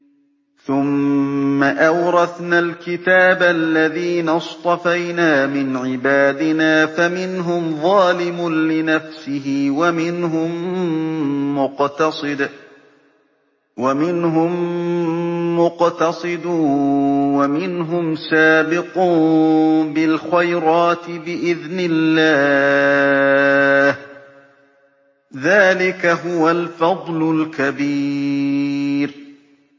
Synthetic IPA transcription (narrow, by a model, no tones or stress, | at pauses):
θʊmː | aʔawɾˤɑθnalkɪt̪aːblːaðiːnast̪ˤɑfajnaːmɪnʕɪbaːd̪ɪnaːfamɪnɦʊmðˤɑːlɪmʊnlɪnafsɪɦɪwamɪnɦʊm | ʊqt̪ɑsd̪ | wamɪnɦʊm | ʊqt̪ɑsˤɨd̪ʊ | wamɪnɦʊmsaːbɪqʊ | bɪlxajɾɑːt̪ɪbɪʔɪðnɪlːaː | h | ðaːlɪkaɦʊwalfɑd̪ˤlʊlkabi | ɾ